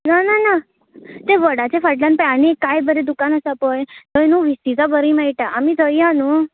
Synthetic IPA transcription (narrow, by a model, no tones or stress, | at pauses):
nanana | t̪eʋəɽat͡ʃʰefəʈlanpanikajbəɾed̪ukanəsəpojt̪ɔnũʋisizabəɾimajʈaʔəmĩd̪ʱəjãnũ